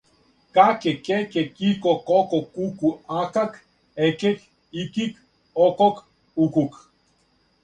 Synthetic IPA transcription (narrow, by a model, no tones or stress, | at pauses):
kakekekekikokokokukuakak | ekek | ikik | okok | ukuk